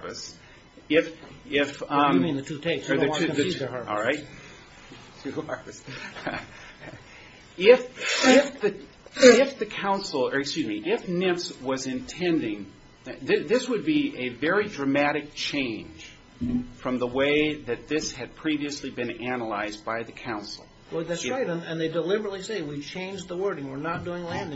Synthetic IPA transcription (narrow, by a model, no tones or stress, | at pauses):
vɨs | ɪfɪfmĩnðɨtʰʉtʰeɪsjə̃˞ðɨðɨəə˞ɔ̰lˠɹaɪt̚ | tʰʉɑ˞vɨs | ɪfɪfðɨ | ɪfðɨkʰãʊ̃nsl̩ˠəkskjʉzmiʔɪfnɪ̃fswʌzɨ̃ntʰɛ̃ndɪ̃ŋ | ðɪðɪswɨd̚biʔɨvɛɹidɹɨmæɾɨk̚t͡ʃʰẽɪ̃nʒ̥ | fɹʌ̃mðəweɪðɨt̪̚ðɪshɨd̚pʰɹ̥iviɨslibɨ̃nænəla̰ɪzbaɪðɨkʰãʊ̃nsl̩ˠ | wðætsɹaɪɾɨ̃nɨ̃nðeɪdəlɪbə˞ətˡliseɪwit͡ʃʰẽɪ̃nd͡ʒðəwɜ˞ɾɪ̃ŋwɪɹnət̚d̥uɪ̃ŋlæ̃nɪ̃